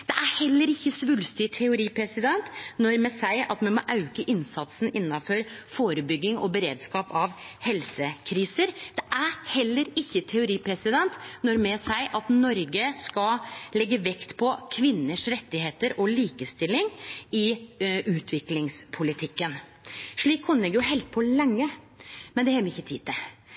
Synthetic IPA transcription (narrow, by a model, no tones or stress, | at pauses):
d̪̥ɛʔæɾhɛlːəɾɪçːəsʋʉlst̪ɪt̪ʰɛʊɾiːpʰɾɛsɪd̪ɛnt̪nɔɾmɛsæɪɑt̪mɛnmɔʔɑʉkəʔɪnsɑt̪sn̩ɪnːɑfɔɾfoːɾəbʏɡːɪŋɔ̰bəɾeːd̪skɑːpɑʋhɛlsəkʰɾiːsəɾd̪̥ɛʔæɾhɛlːəɾɪçːət̪ʰɛʊɾiːpʰɾɛsɪd̪ɛnt̪nɔɾmɛsæɪʔɑt̪nɔɾɡəskɑlɛɡːəʋɛkt̪pʰɔkʰʋɪnːəʂɾɛt̪ːɪheːt̪əɾʔɔliːkəst̪ɪlːɪŋɪʔʉːt̪ʰʋɪklɪŋspʰʊlɪt̪ʰɪkːən | ʂɭiːkkʰʊnlɛɡəɾjʊɦɛlt̪̚pʰɔlɛŋːə | mɛnd̪ɛhɛːməɾɪçːət̪ʰiːd̪ɛ